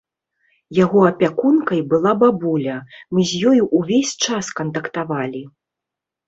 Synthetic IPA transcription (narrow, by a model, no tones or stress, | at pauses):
jaɣɔɐpʲakunkɐjbɨlˠababulʲɐmɨzʲjɔjuʔuvʲesʲt͡ʂaskɐnt̪ɐkt̪avalʲi